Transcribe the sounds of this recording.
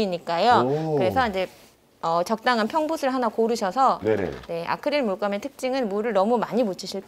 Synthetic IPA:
iɲik͈ajokɯɾe̞sʰʌind͡ʑe̞ | ʌt͡ɕʌk̚t͈aŋɦanpʰjʌŋbusʰɯɭɦanakoɾɯɕʰʌsʰʌn̰ne̞ʔa̰kʰɯɾiɭmuɭk͈ametʰɯk̚t͡ɕ͈iŋɯnmuɾɯɭnʌmumaɲimot͡ɕʰiɕʰiɭk͈

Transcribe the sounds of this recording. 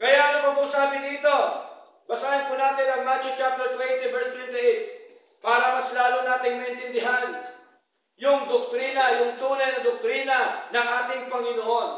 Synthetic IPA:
kɐjaʔnɐmɐbʊsaːbɪd̪iːt̪o̞ | bɐsaʔɐnpʊnaːt̪ɪnɐŋmat͡ʃʊt͡ʃap̚t̪ɛlt̪wɛnt̪ɪvɛɹst̪wɛnt̪ɪʔejt | paːɾɐmɐslaːlʊnaːt̪ɪŋmɐʔɪnt̪ɪnd̪ɪɦan | jʊŋd̪ʊk̚t̪ɾiːnɐjʊŋt̪uːnɐjnɐd̪ʊk̚t̪ɾiːnɐnɐŋʔaːt̪ɪŋpɐŋɪnoʔo̞n

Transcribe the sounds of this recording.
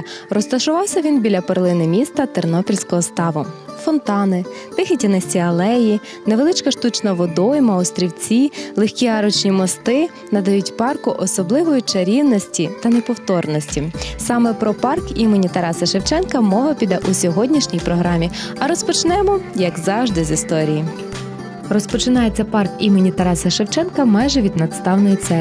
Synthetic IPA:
rɔst̪ɐʃʊʋɑwsʲɐʋʲinbʲilʲɐperlˠɪnɪmʲist̪ɐt̪ernɔpʲilʲsʲkɔɦɔst̪ɑʋʊfɔnt̪ɑnɪt̪ɪxʲɪtʲinɐsʲiɐlˠɛji | neʋelˠɪt͡ʃkɐʃt̪ut͡ʃnɐʋɔd̪ɔjɪmɐɔst̪ɾʲiwt͡sʲilˠexʲkʲiɦɑɾɔt͡ʃnʲimɔst̪ɪ | nɐd̪ɐjutʲpɑrkʊʔɔsɔblˠɪʋɔjʊt͡ʃɐɾʲiwnɔsʲtʲit̪ɐnepɔwt̪ɔrnɔsʲtʲisɑmɛpɾɔpɑrkimenʲit̪ɐɾɑsɐʃewt͡ʃɛnkɐmɔʋɐpʲid̪ɛʔusʲɔɦɔdʲnʲiʃnʲijpɾɔɦɾɑmʲi | ɐɾɔspɔt͡ʃnɛmɔjɐɡzɑwʒd̪ɪzʲist̪ɔɾʲiji | rɔspɔt͡ʃɪnɑjet͡sʲːɐpɑrkimenʲit̪ɐɾɑsɐʃewt͡ʃɛnkɐmɑjʒɛʋʲid̪nɐt̪st̪ɑwnɔjit̪sɛ

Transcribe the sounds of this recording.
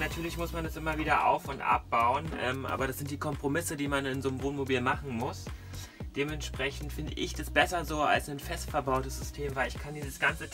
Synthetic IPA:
natʰyːɐlɪçmʊsmandasʔɪmɐviːdɐʔa̰ʊfʊntʔa̰p̚b̥aʊənʔɛ̰ːmʔa̰ːbɐɾasz̥ɪnt̚d̥iːkʰɔmpʁ̥omɪsədiːmanɪnzoːnmvoːnmobiːlmaχn̩mʊs | d̥eːmɛntʃpʁ̥ɛçn̩tfɪndə̰ʔɪçd̥asb̥ɛsɐzoːa̰lsnanfɛstfɛɐbaʊtəsz̥ʏstʰeːmvaɪlɪçkʰandiːzəsɡ̥ant͡sə

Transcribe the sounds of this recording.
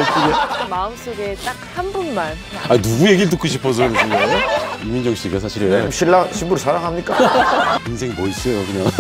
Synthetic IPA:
ɭp͈ʰuɡemaɯms͈oɡet͈ak̚hanbunman | ainuɡuje̞ɡiɭt̬͈ɯk͈ʰːuɕ̬ʰipʰʌs̬ʰʌsʰoŋɡimːind͡ʑʌŋɕ͈ʰiɡas̬ʰaɕʰiɾɕʰiɭːaɕʰinbuɾsʰaɾaŋɦamɲik͈ainsʰe̞ŋmois͈ʌjokɯɲaŋ

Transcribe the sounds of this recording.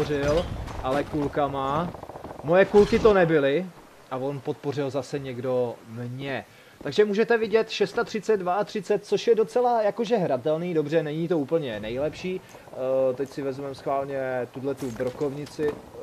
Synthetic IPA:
rɪlʔalɛkulkama | mojɛkulkɪt̪o̞nɛbɪlɪ | ʔavo̞npot̪̚po̞rɪlzasɛɲɛɡdo̞mɲɛ | t̪aɡʒɛmuːʒɛt̪ɛvɪɟɛt̪ʃɛst̪at̪r̝̥ɪt͡sɛd̪̚dvaat̪r̝̥ɪt͡sɛt̪̚t͡so̞ʃjɛdo̞t͡sɛlajako̞ʒɛɦɾat̪ɛlniːdo̞br̝ɛnɛɲit̪o̞uːpl̩ɲɛnɛjlɛpʃiː | t̪ɛcsɪvɛzmɛmsxvaːlɲɛt̪udlɛt̪ubɾoko̞vɲɪt͡sɪ

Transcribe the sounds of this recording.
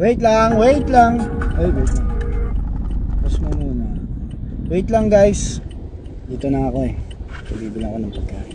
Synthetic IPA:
wejt̪laŋwejt̪laŋojwejt̪laŋ | pasmonuna | wejt̪laŋɡajs | ɡit̪onaŋakoe | tobibilakonaŋpaɡai

